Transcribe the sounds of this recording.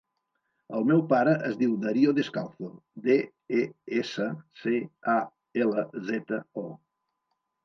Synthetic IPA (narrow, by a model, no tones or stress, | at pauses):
əlˠmɛwpaɾəʔəzðiwd̪ɐɾioðeskalˠθod̪e | eesəsea | ɛləzɛt̪əɔ